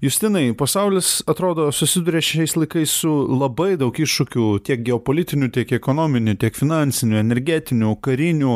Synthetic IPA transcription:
jʊsʲt̪ʲɪnɐɪpɐsɐʊlʲɪsɐt̪ɾoːd̪oːsʊsʲɪd̪uɾʲeːʃʲɛɪslˠɐɪkɐɪssʊlˠɐbɐɪd̪ɐʊkɪʃʃʊkʲut̪ʲiɛk̚ɡʲɛoːpoːlʲɪt̪ʲɪnʲut̪ʲiɛkɛkoːnoːmʲɪnʲʊt̪ʲiɛkfʲɪnɑnʲsʲɪnʲuɛnʲɛɾʲɡʲæt̪ʲɪnʲuːkɐɾʲɪnʲuː

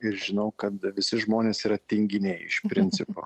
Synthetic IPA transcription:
ɪɾʒʲɪnɐʊkɐt̪ʋʲɪsʲɪʒmoːnʲeːsiːɾɐt̪ʲɪŋʲɡʲɪnʲɛɪɪ̰ʃpʲɾʲɪnʲt̪sʲɪpo̰ː

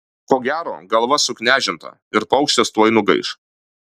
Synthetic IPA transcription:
koːɡʲæːɾo̰ːɡɐlˠʋɐsʊknʲæːʒʲɪnt̪ɐ̰ | ɪɾpɐʊkʃʲt̪ʲɛst̪uɔɐɪnʊɡɐ̰ɪʃ

